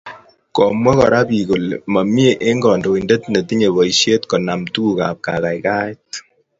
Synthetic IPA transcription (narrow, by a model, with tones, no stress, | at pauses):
kɔ˨mwɛ˦kɔ̰˨ɾa˦pi˨ko˨lma˨mje˦ʔe˦ŋɡɔ˨ndo˨i˨nde˦tne˨ti˦ɲe˨βɔ˨i˨ʃje˦tkɔ˨na˨mtu˦ka̰˨p̚ka̰˨ka˨jka˦t